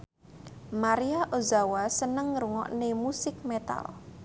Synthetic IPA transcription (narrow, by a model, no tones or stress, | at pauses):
maɾiaʔozawasənəŋɾuŋɔ̰ʔnemusɪk̚met̪a̰l